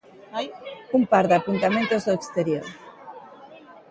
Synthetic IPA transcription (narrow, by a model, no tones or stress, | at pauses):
ajumpaɾðapunt̪amẽnt̪ozoekst̪eɾjoɾ